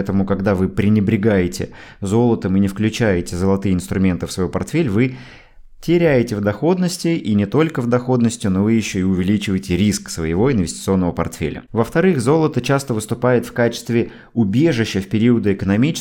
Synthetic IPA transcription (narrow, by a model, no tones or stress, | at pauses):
ɛt̪əmʊkɐɡd̪avɨpɾʲɪnʲɪbɾʲɪɡajɪtʲɪ̰ | zo̞lˠət̪əmɨnʲɪfklʲʉt͡ɕæjɪtʲɪzəlˠɐt̪ɨjəɪnst̪ɾʊmʲe̞nt̪ɨfsvɐjupɐrt̪fʲelʲvɨ | tʲɪɾʲæjɪtʲɪvd̪ɐxo̞d̪nəsʲtʲɪinʲɪt̪o̞lʲkəvd̪ɐxo̞d̪nəsʲtʲjʊnoɪjɪɕːoɪʊvʲɪlʲit͡ɕɪvəjtʲɪɾʲisksvə̰jɪvo̞ɪnvɪsʲtʲɪt̪sɨo̞nːəvəpɐ̰rt̪fʲḛlʲə̰vəft̪ɐɾɨxzo̞lˠət̪ət͡ɕast̪əvɨst̪ʊpajʊt̪fkat͡ɕɪ̥st̪vʲɪ | ʊbʲeʐɨɕːəfpʲɪɾʲiəd̪əɪkənɐmʲit͡ɕɪ